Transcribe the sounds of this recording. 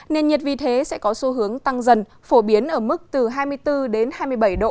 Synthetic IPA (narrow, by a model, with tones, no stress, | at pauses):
ne˧nɲi˨˩t̚vi˨˩t̪ʰe˨˦sɛ̰˧˥kɔ˨˦su˨˧˦ɦɨ˨˦əŋt̪a˧ŋzə˨˩n | fo˧˩ɓi˨˦ənʔəː˧˩mɨ˦˥k̚t̪ɨ˨˩ɦaː˧jmɨ˧əjt̪ɨ˧ɗe˨˦nhaː˧jmɨ˧əjɓə˧˩jɗo̰˧˨